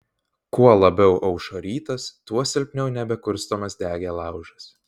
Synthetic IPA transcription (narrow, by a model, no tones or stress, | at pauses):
kuɔlˠɐbʲɛʊʔɐʊʃoːɾʲiːt̪ɐst̪uɔsʲɪlʲpʲnʲɛʊnʲɛbʲɛkʊɾst̪oːmɐsd̪ʲæːɡʲeːlˠɑˑʊʒɐs